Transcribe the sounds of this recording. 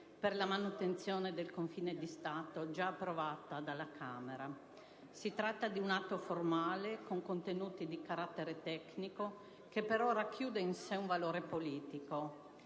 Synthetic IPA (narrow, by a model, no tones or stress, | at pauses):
perlamanut̪ent̪sjoːned̪elkoɱfiːned̪ist̪aːt̪od͡ʒaːpːɾovaːt̪ad̪alakʰaːmeɾa | sit̪ɾat̪ːad̪iunat̪ːoformaːlekoŋkont̪enuːt̪id̪ikaɾat̪ːeɾet̪ɛkniko | kepːeɾoːɾak̟ʰjuːd̪einseuɱvaloːɾepoliːt̪iko